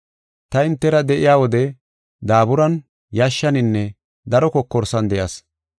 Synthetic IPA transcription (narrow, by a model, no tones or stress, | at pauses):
t̪ɐɪnt̪ːɛɾɐd̪ɛʔɪjaːwɔd̪ɛ | d̪aːbʊɾɐn | jaːʃːɐnɪnːɛ | d̪ɐɾɔkɔkːɔɾsɐnd̪ɛjɐːs